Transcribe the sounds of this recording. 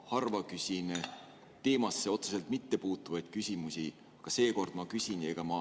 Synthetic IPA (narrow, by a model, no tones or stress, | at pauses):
hɑrvɑkysʲin | t̪e̞ːmɑsːeo̞t̪seselt̪mit̪ːe̞puːt̪ːˑuvɑjd̪̥̚kysʲimusʲi | ɑɡ̥ɑse̞ːko̞rd̪̥mɑkysʲine̞ɡ̥ɑmɑ